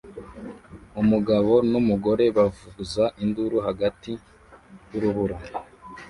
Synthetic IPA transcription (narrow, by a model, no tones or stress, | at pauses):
umuɡaβo̞numuɡo̞ɾe̞βavuzaʔinduɾuɦaɡati | juɾuβuɾa